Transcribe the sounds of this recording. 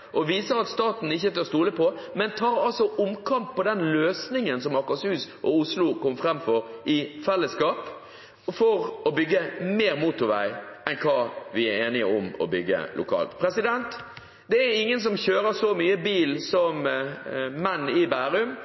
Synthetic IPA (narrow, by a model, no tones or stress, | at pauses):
ʔɔʋiːsəɾɑt̪st̪ɑːt̪n̩ɪçːət̪ʰøst̪uːləpʰɔmɛnt̪ʰɑːɾɑlsɔʔʊmkʰɑmpʰːɔd̪ɛnløːsnɪŋənsɔmɑkɑshʉːsʔɔʊslʊkɔmfɾɛmfɔɾʔɪfɛlːəskɑːp | fɔɾɔbʏɡːəmeːɾmuːt̪ʊɾʋæɪɛnkʰɑːʋɪæeːnɪəʊmɔ̰bʏɡːə̰lʔʊ̰kʰɑ̰ːlt̪pʰɾɛsɪd̪ɛnt̪ | d̪ɛæɾɪŋːəns̬ɔmçøːɾəsɔmyːəbiːlsɔm | mɛnːɪbæːɾʉm